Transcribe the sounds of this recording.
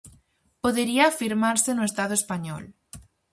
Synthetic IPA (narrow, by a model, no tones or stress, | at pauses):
poðeɾiafiɾmaɾsenoest̪aðoespaɲɔ̰l